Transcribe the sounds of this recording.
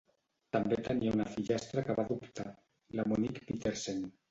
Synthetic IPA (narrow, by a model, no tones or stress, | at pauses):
t̪ambet̪eniaunafiʎast̪ɾakaβaðupt̪a | lamonikpit̪eɾsen